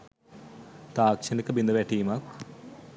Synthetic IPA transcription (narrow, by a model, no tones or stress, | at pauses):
t̪aːkʃɐnikːɐbind̪ɐʋeʈːiːmak